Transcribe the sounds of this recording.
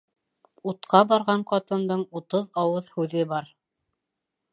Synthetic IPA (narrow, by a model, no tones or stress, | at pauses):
ut̪qɑbɑɾʁɑɴqɑt̪ɤ̆nd̪ɤɴut̪ɤðɑwɤðhʉðɘbɑɾ